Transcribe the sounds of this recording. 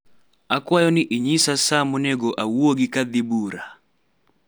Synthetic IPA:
akwajɔniʔiɲisasamunɛɡɔʔawwɔɡikaðiɓuɾa

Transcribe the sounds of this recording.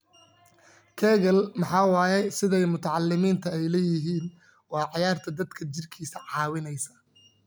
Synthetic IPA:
kʰɛːɣɐlmɑħɑːwɑːjɛsɪðɛjmʊt̪ʰɐʕɑlːɪmiːnt̪ʰɐɛjlɛːjɪɦiːn | wɑːʕɑjaːrt̪ʰɐd̪ɐd̪kʰɐt͡ʃɪrkʰiːsɐʕɑːwɪnɛjsɐ̥

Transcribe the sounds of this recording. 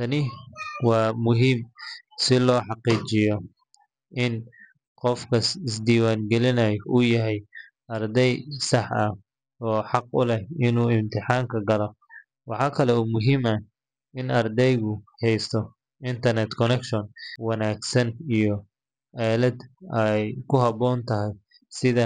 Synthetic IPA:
t̪ʰɐnɪwɑːmʊɦim | sɪlɔːħɑqiːt͡ʃɪjɔ | ʔɪn | qɔfkʰɐsɪsd̪iːwaːŋɡɛlɪnɐjʊjɐɦɛj | ɐrd̪ɛjsɑħɐh | ɔːħɑq̚ʊ̰lɛhɪnuːɪmt̪ʰɪħɑːŋkʰɐɡɐlɔ | wɑħɑːkʰɐlɛuːmʊɦimɐ | ɪnɐrd̪ɛjɣʊhɛjst̪ʰɔ | ɪnt̪ʰɐrnɛt̪kʰɔnɛkʃɔnwɑnaːɡsɐnijɔ | ʔɛːlɐd̪ɛjkʰʊɦɑβɔːnt̪ʰɐɦɛj | sɪðɐ

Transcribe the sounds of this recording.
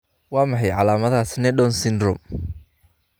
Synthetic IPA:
wɑːmɑħɑjʕɑlaːmɐðaːsnɛɖɔnsɪnrʊm

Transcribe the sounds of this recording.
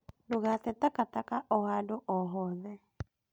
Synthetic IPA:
nduɣat̪ɛt̪akat̪akaʔɔɦadoʔɔɦɔðɛ

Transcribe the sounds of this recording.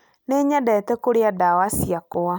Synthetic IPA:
neɲadɛtɛkoɾeadawasiakoa

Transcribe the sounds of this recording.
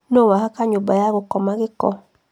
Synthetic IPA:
nowahakaɲobajaɣokɔmaɣɪkɔ̰

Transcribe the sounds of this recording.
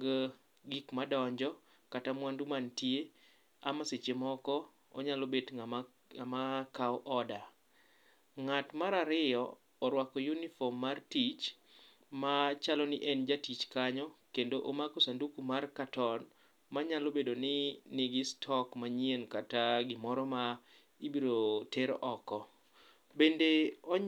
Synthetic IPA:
ɡ | ɡikmadɔɲd͡ʒɔ | katamwandumantje | amaset͡ʃemɔkɔ | ɔ̰ɲalobedŋa | amakaɔʔɔda | ŋatmaɾaɾɪjɔ | ɔɾwakɔjunifɔmːartit͡ʃ | mat͡ʃalɔnɪʔɛnd͡ʒatit͡ʃkaɲɔkendoʔomakosandukumarkatɔn | maɲalobedonɪnɪɡɪstʰɔkmaɲienkataɡɪmɔɾɔma | ibiɾoteɾʔɔkɔ | bendeɔ

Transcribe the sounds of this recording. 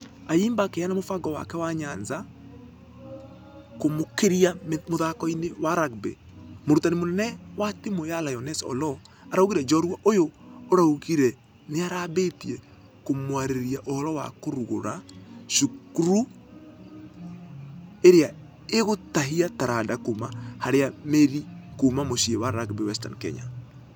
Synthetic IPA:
aiːmbakejanamofaɡɔwa̰kɛwaɲanza | komokeɾiamoðakɔinewaɾaɡ̚bɛ̰ | moɾutanemonɛnɛwatemojalajɔnɛsɔ̰lɔ | aɾaoɣiɾɛd͡ʒɔɾuaʔojoːɾauɣiɾɛ | neaɾabetiɛ | komwaɾeɾiaʔoɾɔwa̰koɾuɣo̰ɾaʃukuɾu | eɾea | eɣotaɦiataɾadakomahaɾeameɾikomamoʃiɛwaɾakbɛwɛsta̰nkɛ̰ɲa̰

